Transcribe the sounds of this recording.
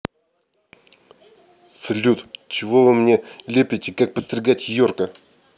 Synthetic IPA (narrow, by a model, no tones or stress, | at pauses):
səlʲut̪t͡ɕɪvovɨmnʲelʲepʲɪtʲɪkak̚pəst̪rʲɪɡatʲjorkə